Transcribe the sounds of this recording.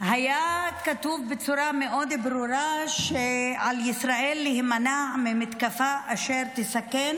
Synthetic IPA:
ɦajakat̪uvbet͡suɾameʔo̞d̪bɾuɾaʃeʕaljisɾaʔelːihmanamemit̪kafaʔaʃeɾt̪isaken

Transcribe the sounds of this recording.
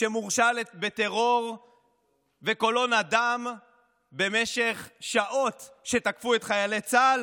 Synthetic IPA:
ʃemuʁʃalet̪bet̪e̞ʁo̞ʁ | veko̞lo̞nadam | be̞me̞ʃe̞χʃaʔo̞tʃe̞takfuet̪χajalet͡sal

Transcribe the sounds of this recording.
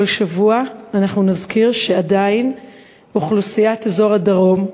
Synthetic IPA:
lʃavuaːnaχnunazkiʁʃeadain | uχlusijatezo̞ʁadaʁo̞m

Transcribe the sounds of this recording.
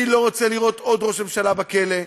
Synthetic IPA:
ilo̞ʁot͡seliʁo̞t̪od̪ʁo̞ʃemʃalabakele̞

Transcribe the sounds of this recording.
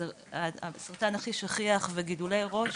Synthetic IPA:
asaʁt̪anaχiʃaχiaχveɡidulejʁo̞ʃ

